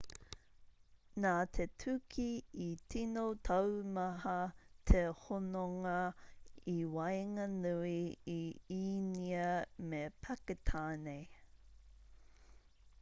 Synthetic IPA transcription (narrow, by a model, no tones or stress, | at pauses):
naːt̪ʰetʰʉkʰiːtinotʰɐwmɐɦɐtʰehonoŋɐ | iwɐjŋɐnuiiiniɐmepʰɐketʰaːnej